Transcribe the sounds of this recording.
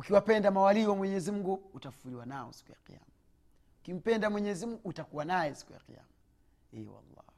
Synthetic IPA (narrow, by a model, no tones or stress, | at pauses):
ukiwapɛndamawaliwamwɛɲɛzim̩ɡuːtaffuliwanaɔ̰si̥kuja̰qḭja̰ma | ukim̩pɛndamwɛɲɛzim̩ɡuːtakuwanajɛsi̥kuja̰qḭja̰ma | ɛwa̰lːa̰